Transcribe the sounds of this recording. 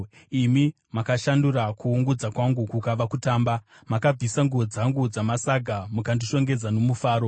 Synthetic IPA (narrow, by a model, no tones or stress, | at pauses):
imi | makaʃandurakuːŋɡud͡zakwaŋɡukukaʋakutaːmba | makab͡vʱisaŋɡuod͡zaŋɡud͡zamasaɡʱamukandiʃo̞ŋɡe̞d͡zano̞mufaːɾo̞